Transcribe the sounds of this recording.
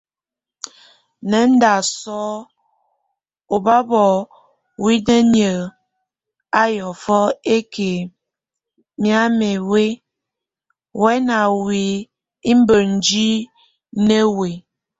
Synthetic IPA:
nɛ˨˦n̩˦da˨sɔ˦ | o˨ba˦bɔ˨ | wi˦ne˦nə˨ | a˦jɔ˨fɔ˦e˦ke˨ | mja˦me˨we˦ | wɛ˦na˨wi˨ | i˦m̩˦bə˨n̩˨d͡ʒi˦ | ne˦we˨

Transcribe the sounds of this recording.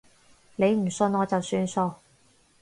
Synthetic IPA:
ne˨˧jm̩˨˩sɵ˧nɔː˨˧t͡sɐ˨wsyː˧nso˧w

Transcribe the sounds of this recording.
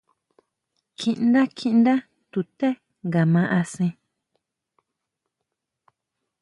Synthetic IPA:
kʰĩ˧ʔnda˦kʰĩ˦˧ʔnd̪a˦ | t̪u˧t̪e˦ | ŋɡa˨mã˧ʔa˧sĩ˧

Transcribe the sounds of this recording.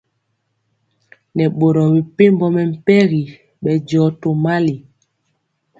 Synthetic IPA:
nɛ˨ɓo˨ɾɔ˨bi˨pe˦mbɔ˦mɛ˨m̩˨pɛ˦ɣi˨ | ɓɛ˨d͡ʒɔ˨˦to˨ma˦li˨

